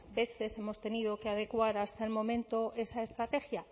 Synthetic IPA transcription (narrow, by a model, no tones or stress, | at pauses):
be̞θe̞se̞mo̞st̪e̞nið̞o̞keað̞e̞kwaɾast̪aelmõ̞mẽnt̪o̞ʔe̞sae̞st̪ɾat̪e̞xja